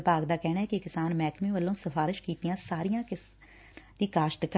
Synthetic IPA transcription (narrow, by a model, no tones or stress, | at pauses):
paːɡd̪aːkɛːnaːɛːkɪkɪsaːnmɛːkmẽːʋəlːõːsəfʰaːɾɪʃkiːt̪ijãːsaːɾijãːkɪ | d̪iːkaːʃt̪k